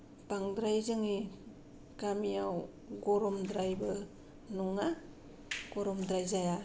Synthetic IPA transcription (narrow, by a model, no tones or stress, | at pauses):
paŋdɾajzɯŋi | kamijaw | ɡɔɾɔmdɾajbɯ | nuŋa | ɡ̥oɾɔmdɾajzaja